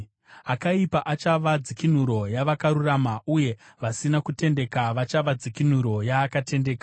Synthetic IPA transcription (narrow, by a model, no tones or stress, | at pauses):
akaipaʔat͡ʃaʋad͡zikin̤uɾo̞jaʋakaɾuramaʔuje̞ | ʋasinakute̞nde̞kaʋat͡ʃaʋad͡zikin̤uɾo̞jaːkate̞nde̞ːka